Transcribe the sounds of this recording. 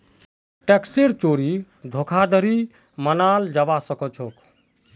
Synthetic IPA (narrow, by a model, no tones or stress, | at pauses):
ʈeksiɾt͡ʃoɾi | d̪ʱokʰad̪ʱəɾi | mənaːld͡ʒaʋasəkət͡ʃʰok